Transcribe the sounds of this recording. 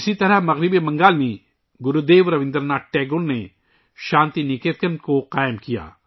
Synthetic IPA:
ɪsit̪ɐɾəɦmɐɣɾɪbiemɐ̃ŋɡaːlmẽ | ɡʊɾud̪eːʋɾɐʋɪ̃nd̪əɾnaːʈ̚ʈɛːɡʊnne | ʃãːnt̪inikeːt̪̚kənkoqaːɪmkija̰ː

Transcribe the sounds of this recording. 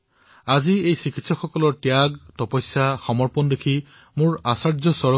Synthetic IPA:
aziejsikʰitsɔxɔkɔlɔɹtjaɡtɔpɔjsaxɔmɔɹpɔndekʰi | mʊɹasaɹzɔsɔɹɔ

